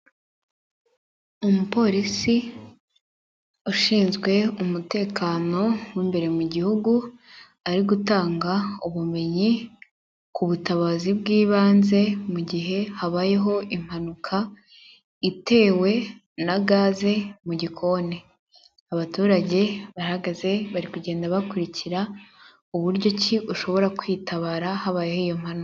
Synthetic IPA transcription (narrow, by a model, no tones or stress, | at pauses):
umupo̞ɾisi | uʃiːnzɡwe̞umute̞ːkaːno̞wimbe̞ɾe̞muɟihuɡu | aɾiɡutaːŋɡauβume̞ɲi | kuβutaβazibɡiːβaːnze̞muɟiɦe̞haβaːjeɦo̞ʔim̥hanukʰa | ite̞ːwe̞ | naɡaːze̞muɟikʰo̞ːne | aβatuːɾaɟe̞βahaɡaze̞βaɾikuɟe̞ːndaβakuɾiciɾa | uβuɾɟo̞ciʔuʃo̞βo̞ɾakwitʰaβaɾahaβaːjehoijo̞m̥hanu